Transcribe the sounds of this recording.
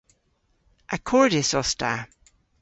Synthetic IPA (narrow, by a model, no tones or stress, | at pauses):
ʔəkʰɔɹdɪsɔsta